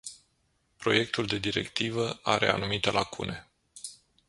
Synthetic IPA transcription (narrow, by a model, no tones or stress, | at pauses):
pɾo̞je̞k̚t̪uld̪e̞d̪iɾe̞̰kt̪ivəaɾe̞̰a̰numit̪elakune̞